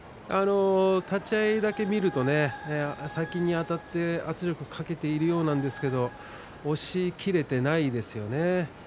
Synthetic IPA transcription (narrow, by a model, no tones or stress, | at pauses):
a̰no̞t̪at͡ɕaid̪ake̞mʲiɾɯ̟t̪o̞ne̞sakʲiɲ̟iat̪at̪ːe̞at͡sɨɾʲo̞kɯ̟kʰake̞t̪e̞iɾɯ̟jo̞ːnãnd̪e̞sɨ̥ke̞d̪o̞ | oɕikʲiɾe̞t̪e̞naid̪e̞sɨjo̞ne̞